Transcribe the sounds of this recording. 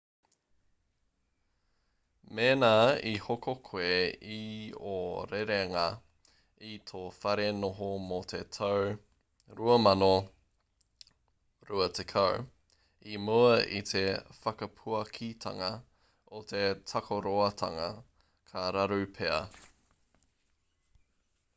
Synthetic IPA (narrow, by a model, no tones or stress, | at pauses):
meːnaːihokokʰoeioɾeɾeŋa | it̪ʰofɐɾenoɦomot̪ʰet̪ʰɐw | ɾuɐmɐno | ɾuɐt̪ʰekʰɐw | imuɐʔḭt̪ʰe̞fɐkɐpʰuɐkʰit̪ʰɐ̰ŋɐ | ot̪ʰe̞tʰɐkʰoɾoɐt̪ʰɐ̰ŋɐ̰ | kʰɐɾɐɾʉpʰeɐ̰